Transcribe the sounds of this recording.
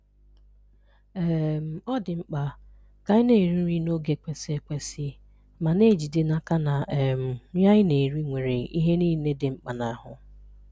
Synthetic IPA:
e˦m̩˨ɔ˦dɪ˨ŋ͡m̩˦k͡pa˨ | ka˦ɪ˦ne˨ɾi˦ɾi˦no˦ɡe˨kʷe˨si˦e˦kʷe˦sɪ˦ | ma˨ne˦˨d͡ʒi˨dɪ˦na˦ka˦na˨e˨m̩˨˦ja˦ɪ˦ne˨ɾi˦ŋʷe˨ɾe˨i˦ɦe˦niː˦ne˦dɪ˨ŋ͡m̩˦k͡pa˨na˨a˦ɦʊ˨

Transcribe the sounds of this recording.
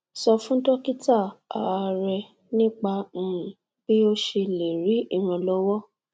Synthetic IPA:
sɔ˧fũ˦tɔ˦ki˦ta˦˨a̰˨a˧ɾɛ˧ | nĩ˦k͡pã˧˨ | b̥i˦o˦ʃe˧le˨ɾi˨˦i˦˨ɾ̃ã˧lɔ˦wɔ˦

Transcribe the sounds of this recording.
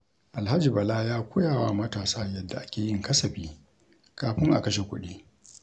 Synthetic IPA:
ʔa˨lha˦d͡ʒi˨bɐ˨laː˦jaː˦kʷʊ˦jaː˨wa˦mɐ˦taː˨saː˦jɐ˦dːa˨ʔa˦kʲeː˨jɪ˦ŋkɐ˦sɐ˨ɸiː˦ | kaː˨ɸɪ˦ŋʔa̰˨kɐ˦ʃe˨kʷʊ˦ɗiː˦

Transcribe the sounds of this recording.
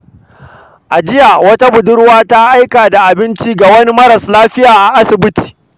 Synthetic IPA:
ʔa˨d͡ʒɪ˦ja˨wɐ˦ta˦bʊ˨dʊ˦ɽwaː˦ta˦ʔa˦jkaː˨da˨ʔa˨bɪ˦nt͡ʃi˦ɡa˨wɐ˦ni˦mɐ˦ɾɐ˨slaː˦ɸɪ˦jaː˨ʔa˨ʔa˦sɪ˨bɪ˦ti̥ː˨

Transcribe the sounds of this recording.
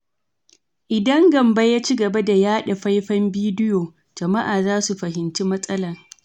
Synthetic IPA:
ʔɪ˨dɐ˦ŋɡɐ˨mbɐ˦jaː˦t͡ʃi˦ɡɐ˨bɐ˦da˨jaː˦ɗɐ˨ɸa˦jɸɐ˦mbiː˦dɪ˦joː˨ | d͡ʒɐ˨ma˦ʔaː˨zaː˦su˨ɸɐ˨ɦɪ˨nt͡ʃi˦mɐ˦sʼɐ˦lɐ˨r

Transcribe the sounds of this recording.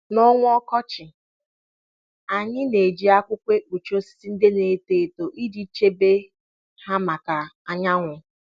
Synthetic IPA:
nɔ˦ŋʷʊ˦ɔ˦kɔ˦t͡ʃɪ˨ | a˨ɲɪ˦ne˨d͡ʒi˨a˦kʷʊ˦kʷe˦k͡pu˨t͡ʃo˦si̥˦si˦n̩˦dɪ˦ne˨te˨e˨to˨ʔi˦di˦t͡ʃe˦be˦ | ha˦ma˨ka˨a˨ɲa˦ŋʷʊ˨

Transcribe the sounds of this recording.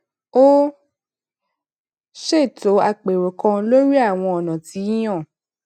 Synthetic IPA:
o˦ | ʃe˦˨to˨˦a˧k͡pe˨ɾo˨kã˧lo˦ɾi˦a˦˨w̃ɔ̃˧ɔ˨nã˨ti˨˦j̃ã˦˨

